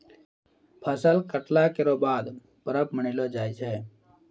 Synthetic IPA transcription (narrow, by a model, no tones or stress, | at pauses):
pʰəsəlkəʈlakɪɾoːbaːd̪ | pəɾəpməɳilod͡ʒaːit͡ʃʰɛː